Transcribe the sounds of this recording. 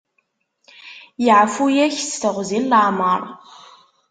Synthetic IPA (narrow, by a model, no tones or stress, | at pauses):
jɪʕfujæçst̪əʁʷzilːaʕməɾˤ